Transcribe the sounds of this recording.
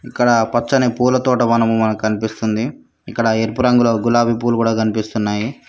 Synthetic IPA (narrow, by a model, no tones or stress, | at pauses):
ikːɐɽɐpɐt͡ʃːɐnepuːlɐt̪oːʈɐmɐnɐmumɐnɐkukɐnipist̪und̪i | ikːɐɽɐeɾpuɾɐŋɡuloːɡulaːbʱip̬uːlukuːɽaːkɐnipist̪unːaːji